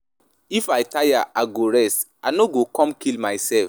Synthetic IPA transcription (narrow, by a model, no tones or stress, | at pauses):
ifaɪtajaʔaɡoɹɛstanoɡokɔ̃mkilmaɪsɛlf